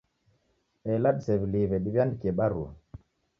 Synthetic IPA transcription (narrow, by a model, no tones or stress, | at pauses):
ɛlaɗsɛvilivɛɗivjandikɛɓaɾu